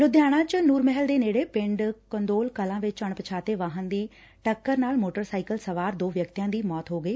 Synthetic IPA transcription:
lʊd̪jaːɽ̃ãt͡ɕʊnuːɾmɛɦəld̪eːneːɽepɪ̃ɳɖkɐ̃nd̪oːlkɐlãːʋɪt͡ɕəɽ̃pɐt͡ɕʰaːt̪eʋãːɦənd̪iː | ʈɐkːəɾnaːlmoːʈəɾsaːɪkəlsɐʋaːɾd̪oːʋjɐk̚t̪ijãd̪iːmɔːt̪ɦoːɡɐeː

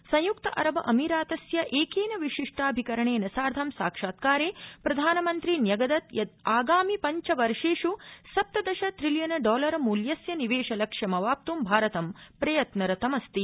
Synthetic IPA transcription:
sɐ̃j̃jukt̪ɐʔɐ̰ɾɐbɐʔɐmiɾaːt̪ɐsjɐʔeːkeːnɐʋiʂiʂʈʰaːbʱikɐɾɐɳeːnɐsaːɾd̪ʱɐmsa̰ːkʂaːt̪̚kaːɾeːpɾɐd̪ʱaːnɐmɐnt̪ɾinjɐɡɐd̪ɐt̪jɐd̪aːɡaːmipɐɲt͡ʃɐʋɐɾʂeːʂusɐp̚t̪ɐd̪ɐʃɐt̪ɾiljɐnɐɖɔːlɐɾɐmuːljɐsjɐniʋeːʂɐlɐkʂjɐmɐʋaːp̚t̪umbʱaːɾɐt̪ɐmpɾɐjɐt̪nɐɾɐt̪ɐmɐst̪i

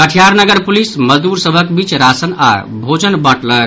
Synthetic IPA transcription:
kəʈʰijaɾnəɡəɾpulisməd̪uɾsəbʱəkbit͡ʃɾasəna̰ | bʱod͡ʒənbəʈləɾ

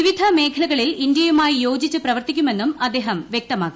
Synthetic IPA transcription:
iʋid̪ʱɐme̞ːkʰɐɭɐɣɐɭilind̪jɐjumaːjijo̞ːd͡ʑit͡ɕːuprɐʋɐrt̪ikʲːume̞nːumɐd̪ːe̞ːɦɐmʋjek̚t̪ɐmaːkːi

